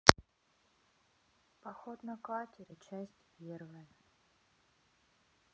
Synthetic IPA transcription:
pɐxot̪nɐkatʲɪɾʲət͡ɕæsʲtʲpʲervəjə

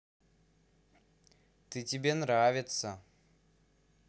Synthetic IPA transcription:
t̪ɨtʲɪbʲenɾavʲɪt̪sə

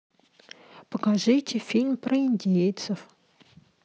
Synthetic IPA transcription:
pəkaʐɨtʲɪfʲilʲmpɾəɪnʲdʲejt̪səf

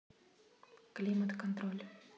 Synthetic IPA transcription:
klimət̪kɔ̃nt̪ɾolʲ

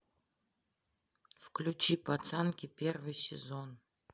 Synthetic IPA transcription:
fklʲut͡ɕipɐt̪sɛnkʲɪpʲervɨjsʲɪ̰zon

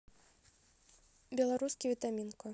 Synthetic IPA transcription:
bʲɛlˠaɾuskʲivʲit̪amʲinkɔ

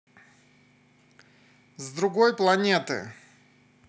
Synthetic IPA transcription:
zd̪ɾʊɡojplˠɐnʲet̪ɨ̰

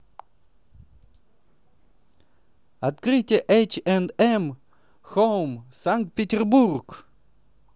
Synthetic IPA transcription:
at̪kɾɨtʲɪəʔet͡ʃɛnɛm | xowmsaŋk̚t̪̚pʲetʲɛrburk

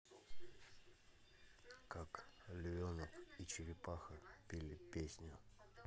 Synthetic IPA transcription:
kaklʲʊvʲonəit͡ɕɪɾʲɪpaxəpʲilʲɪpʲesʲnʲʊ

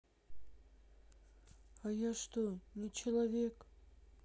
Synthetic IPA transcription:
ajaʂt̪onʲɪt͡ɕɪlˠavʲek

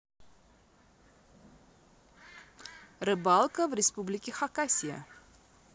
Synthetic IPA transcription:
rəbɐlˠkəvɾespublikiχɐkasiə̰

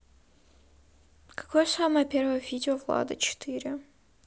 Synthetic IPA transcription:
kɐ̥kojəsaməjəpʲervəjəvʲidʲɪovlˠa̰d̪ət͡ɕɪ̥t̪ʰɨɾʲɪ

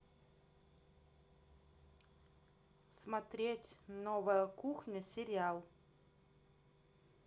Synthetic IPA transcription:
smat̪ɾʲetʲnovəjəkuxnʲəsʲɪɾʲɪalˠ

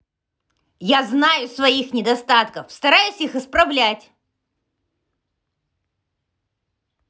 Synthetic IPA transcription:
jaznajʊsvɐixnʲɪd̪ɐst̪at̪kəfst̪ɐɾajʊsʲixɨspɾɐvlʲætʲ

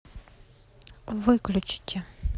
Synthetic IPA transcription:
ʋɪklʲʊt͡ʃɪ̥tʲːɐ

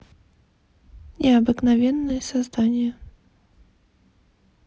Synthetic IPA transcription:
nʲɛɐbɨknavʲɛnːɨjɛsazd̪anʲjɐ

